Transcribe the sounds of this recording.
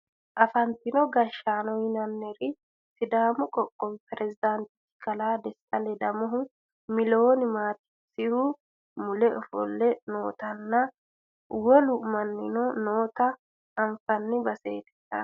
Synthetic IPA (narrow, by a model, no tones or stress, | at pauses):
ʔɐfɐnt̪ɪnɔɡɐʃaːnɔjɪnɐnːɛɾɪ | sɪd̪aːmʊkʼɔkʼːɔmpɛɾɛzɪd̪ant̪ɪ̥tːɪ̥kɐlaːd̪ɛsɐlɛd̪ɐmɔɦʊ | mɪloːnɪmaːt̪ɪ̥ | sɪhʊ | mʊlɛɔfɔ̰lːɛno̞ːt̪ɐnːɐ | wɔlʊmɐnːɪnɔnoːt̪ɐː | ɱfɐnːɪbɐsḛːt̪ɛ̥t̪ːɐ̰